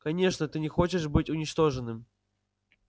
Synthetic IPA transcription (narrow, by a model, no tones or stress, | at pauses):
kɐnʲe̞ʂnət̪ɨnʲɪxo̞t͡ɕɪʂbɨtʲʊnʲɪt͡ɕt̪o̞ʐɨnːɨm